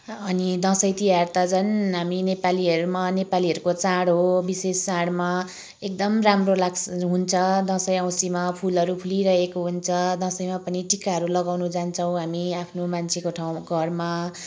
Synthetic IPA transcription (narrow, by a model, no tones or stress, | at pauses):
ʌnid̪ʌ̃sʌjt̪ijart̪ʌd͡zʌnɦaminepaliɦʌɾumanepaliɦʌɾukot͡sãɽɦobisesːãɽma | ekd̪ʌmramrolaɡsɦunt͡sʰʌd̪ʌ̃sʌjʌ̃w̃simapʰulʌɾupʰuliɾʌɦekoɦunt͡sʰʌd̪ʌ̃sʌjmapʌniʈikaɦʌɾulʌɡawnud͡zant͡sʰʌw̃ɦamiapʰnomant͡sʰekoʈʰaw̃ɡʱʌrma